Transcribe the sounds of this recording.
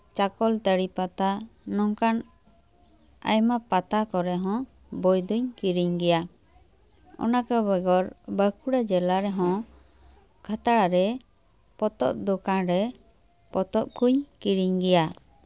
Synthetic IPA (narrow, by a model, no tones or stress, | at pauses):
t͡ʃakɔlt̪əɽipat̪anɔŋkan | a̰jmapat̪akɔɾɛɦɔ̃ | bɔjd̪uɲkiɾiɲɡɛja | ɔ̰nakəbəɡɔɾbəkʰuɽad͡ʒɛlaɾɛɦɔ̃ | kʰat̪aɽaɾɛ | pɔt̪ɔ̰ʔ̚d̪ɔkaɾɛ | pɔt̪ɔʔ̚kʰuɲkiɾiɲɡɛja